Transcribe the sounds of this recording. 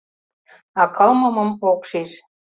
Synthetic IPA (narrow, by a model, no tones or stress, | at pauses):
ɑkɑlmə̆mə̆mokʃiʃ